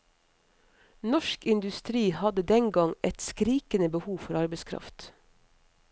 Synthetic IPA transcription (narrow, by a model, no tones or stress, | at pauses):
nɔʃkɪnd̪ʉst̪ɾiːhɑd̪əd̪ɛŋɡɑŋʔɛt̪skɾiːkənəbəhuːfɔɾɑɾbəɪskʰɾɑ̰ft̪